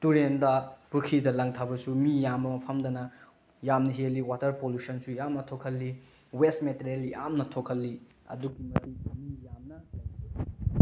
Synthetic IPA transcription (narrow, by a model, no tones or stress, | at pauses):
tuɾendɐpuɾkʰidɐlɐŋtʰabɐsumijambɐmɐpʰɐmdɐnɐ | jamnɐɦeliwatɐɾpoljusɐnsujamnɐtʰokʰɐlːi | westmeteɾelja̰mnɐtʰokʰɐlːi | ɐ̰duɡimɐtimijamnɐaoi